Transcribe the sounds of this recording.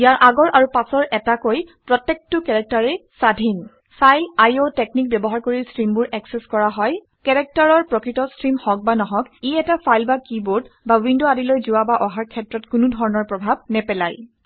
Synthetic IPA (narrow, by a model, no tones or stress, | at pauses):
ijaɹʔaɡɔɹʔaɹupasɔɹʔɛtakojpɹɔtːek̚tʊkɛɹɛk̚taɹɛsadʱin | sajlajotek̚nik̚bɛbɔɦaɹkoɹilstɹimbʊɹɛksɛskɔɹaɦɔj | kɛɹɛk̚taɹɔɹpɹɔkɹitɔstɹimhɔk̚banɔɦɔkiɛtafʰajlbakiboɹtbawindoadilojzʊwabaʔɔɦaɹkʰɛtɹɔtkʊnʊdʱɔɹɔnɔɹpɹɔbʱabnɛpɛlaj